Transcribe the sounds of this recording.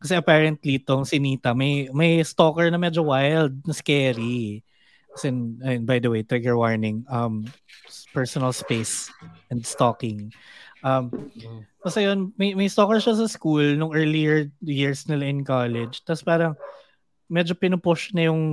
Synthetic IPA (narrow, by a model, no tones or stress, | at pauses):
kɐsɛʔɐpaːɹɛnt̪lit̪oŋsɪniːt̪ɐmɐjmɐjst̪oːkɛɹnɐmɛd͡ʒowajld̪̚nɐskɛːɾi | ɐsɛnɐjonbajd̪ɐwejt̪ɾɪɡɛɹwaɹnɪŋʔɐm | pɛɹsonɐlspejsʔɛnd̪st̪oːkɪŋʔɐm | mɐsɐjonmɐjmɐjst̪okɛɹʃas̬ɐskulnʊŋʔɛːɹlijɛɹjiɹsnɪlaʔɪnkaːlɛd͡ʒt̪aspaːɾɐŋ | mɛd͡ʒo̞pɪnʊpʊʃnɐjʊŋ